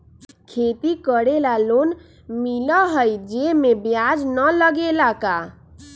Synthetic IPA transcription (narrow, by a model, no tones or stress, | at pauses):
kʰet̪ikəɽelalon | miləɦəjd͡ʒemebjad͡ʒnələɡelaka